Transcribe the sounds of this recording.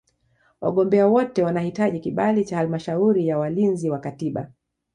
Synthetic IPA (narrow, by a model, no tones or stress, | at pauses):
wa̰ɠɔmbɛawɔtɛwanahitaʄikiɓalit͡ʃahalmaʃauɾijawalinziwakatiɓa̰